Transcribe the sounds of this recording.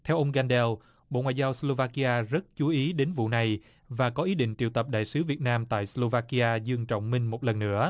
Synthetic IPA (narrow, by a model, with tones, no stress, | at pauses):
t̪ʰɛ˧wʔə˧wŋ͡mɣa˧nɗɛ˧w | ɓo̰˧˨ŋwa̰ː˧˨zaː˧wslo˧vaː˧ki˧ʔaː˧zə˦˥t̚t͡ɕu˨˦ʔi˨˦ɗe˨˦nvṵ˧˨na˨˩j | vaː˨˩kɔ˨˦ʔi˨˦ɗḭ̈˧˨ŋ̟t͡ɕḭ˧˨wt̪ə˨˩p̚ɗa̰ː˧˨jsɨ˨˦vi˨˩ət̚naː˧mt̪a̰ː˧˨jslo˧vaː˧ki˧ʔaː˧zɨ˧əŋt͡ɕɔ̰˧˨wŋ͡mmï˧ŋ̟mo˨˩t̚lə˨˩nːɨ̰˧˥ə